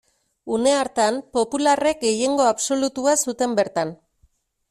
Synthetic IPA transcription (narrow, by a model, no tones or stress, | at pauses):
une̞aɾt̪ampo̞pulare̞k̚ɡe̞je̞ŋɡo̞aβso̞lut̪uasut̪e̞mbe̞ɾt̪an